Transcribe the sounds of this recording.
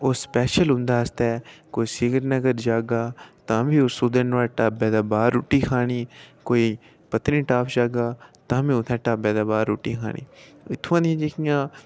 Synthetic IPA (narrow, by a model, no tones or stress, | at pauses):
oːspɛːʃəlɦʊ̃nd̪aːəst̪ɛːkoːiːsɪɡəɾnəɡəɾd͡ʒaːɡaːt̪ãːbiːosuːd̪ənʋaːʈaːbɛːd̪aːbaːɾːʊːʈiːkʰaːɽ̃iːkoːiː | pət̪ɾĩːʈaːpd͡ʒaːɡaːt̪ãːbʱiːʊt̪ʰɛ̃ːʈaːbɛːd̪aːbaːɾʊːʈːiːkʰa̰ːɽ̃ḭː | ɪt̪ʰːʊ̃ãːd̪iãːd͡ʒekʰijãː